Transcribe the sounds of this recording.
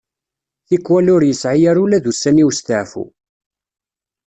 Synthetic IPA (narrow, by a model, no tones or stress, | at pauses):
θikːwælʊɾjəsʕijæɾulæðusːæniwst̪əʕfṵ